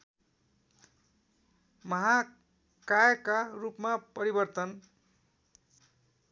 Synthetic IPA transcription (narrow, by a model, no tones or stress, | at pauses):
mʌɦa | kajkarupmapʌɾibʌrt̪ʌn